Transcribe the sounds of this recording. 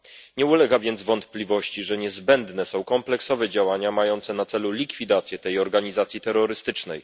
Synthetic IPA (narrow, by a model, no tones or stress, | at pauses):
ɲɛulɛɡavʲjɛnd̪zvɔnt̪plʲivɔɕt͡ɕiʐɛɲɛzbɛnd̪nɛsɔ̃w̃kɔmplɛksɔvɛd͡ʑawaɲamajɔnt̪sɛnat̪sɛlulʲikfʲid̪at̪sʲjɛt̪ɛjɔɾɡaɲizat̪sʲjit̪ɛɾːɔɾɘst̪ɘt͡ʂnɛ̰j